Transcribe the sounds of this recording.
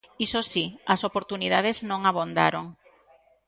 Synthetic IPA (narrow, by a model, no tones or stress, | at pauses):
isosiɐsopoɾt̪unið̞að̞eznõŋaβond̪a̰ɾoŋ